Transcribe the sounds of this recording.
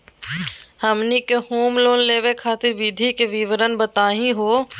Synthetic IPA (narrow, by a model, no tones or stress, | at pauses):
həmnikehoːmloːnleːʋekʰaːt̪ɪɾʋid̪ʱikeʋiʋəɾənbət̪aːɦĩɦoː